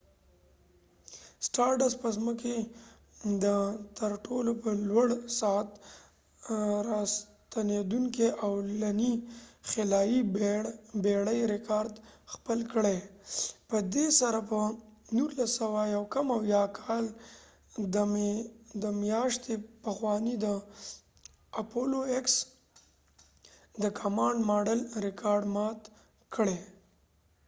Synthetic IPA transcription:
sʈɑɾɖaspəzməke | d̪ət̪əɾʈolopəlwaɽsɑat̪ | ɾɑst̪aned̪uŋkeʔawlanixelɑji | beɽəjɾɪkʰɑɾd̪xpəlkəɽepəd̪esaɾapənuɾlasawajawkamawjɑkʰɑl | d̪ | d̪əmjɑʃt̪epəxwɑnid̪ə | apʰoloeks | d̪əkʰamɑɳɖmɑɖəlɾɪkʰɑɾɖmɑt̪ | kəɽe

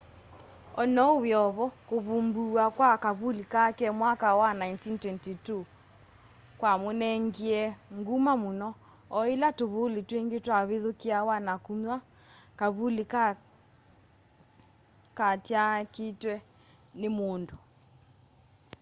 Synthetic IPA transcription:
ɔnɔwjɔβɔkoβumbuakwakaβulikakɛmwakawanajntintwɛntitu | kwamonɛŋɡiɛŋɡumamonɔ | ɔelatoβoletweŋɡetwaβeðokiawanakuɲwa | kaβulik | katjaketwɛ | nemondo

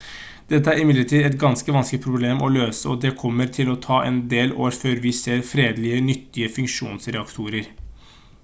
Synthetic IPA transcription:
d̪̥ɛt̪̬ːəæɾɪmɪd̪əʈʰiːd̪ɛt̪ɡɑnskəʋɑnskɪpʰɾʊbleːmɔløːsəɔd̪ɛkʰɔmːəɾt̪ʰɪlɔt̪ʰɑːʔɛnd̪eːlo̰ːɾføːɾʋɪseːɾfɾeːd̪lɪənʏt̪ːɪəfʉŋkʂṵːnsɾɛɑkt̪ʰuːɾəɾ

